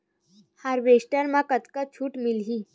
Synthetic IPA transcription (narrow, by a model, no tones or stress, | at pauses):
haɾʋesʈəɾmãkət̪kat͡ɕʰuːʈmilɦiː